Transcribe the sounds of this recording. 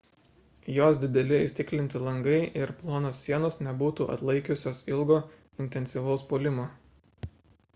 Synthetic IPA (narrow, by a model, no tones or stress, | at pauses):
joːsd̪ʲɪd̪ʲɛlʲɪɪʃʲt̪ʲɪklʲɪnʲt̪ʲɪlˠɐŋɡɐɪʔɪɾplˠoːnoːsːʲiɛnoːsnʲɛbuːt̪uːʔɐ̰t̪lˠɐɪkʲʊsʲoːsɪlˠɡoː | ɪnʲt̪ʲɛnʲsʲiʋɐʊspoːlʲɪmoː